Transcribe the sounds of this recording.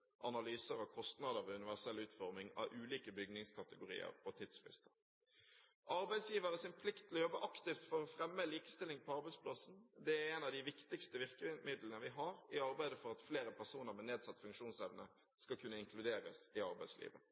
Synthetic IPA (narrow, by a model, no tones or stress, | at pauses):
ʔɑnɑlyːsəɾɔkʰɔst̪nɑd̪əɾɔʉnɪʋæʁsɛlːʉːt̪fɔʁmɪŋɑ̰ʔʉːliːkəbʏɡnɪŋskʰɑt̪əɡʊɾḭːə̰ʁpʰɔt̪ʰɪd̪sfɾɪ̰st̪ə̥ | ʔɑɾbæɪsjiːʋəɾəsɪnpʰlɪkt̪ʰːɪlɔjɔbːəʔɑkt̪ɪft̪fɔɾɔfɾɛmːəliːkə̥st̪ɪlːɪŋpʰɔɑɾbæɪspʰlɑsn̩d̪ɛæɾɛnɑʋd̪ɪʋɪkt̪ɪkst̪əʋɪʁkəmɪd̪lənəʋɪɦɑɾɪɑɾbæɪd̪əfɔʁɑt̪fleːɾəpʰæʁsuːnəɾmɛneːd̪sɑt̪ːfʉŋkʃuːnsɛʋnə̰ | skɑlkʰʉnːəɪŋkʰlʉd̪eːɾəsɪɑɾbæɪslḭːʋə